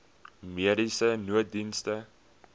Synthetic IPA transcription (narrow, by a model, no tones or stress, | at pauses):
miəɾisənuət̚dinstə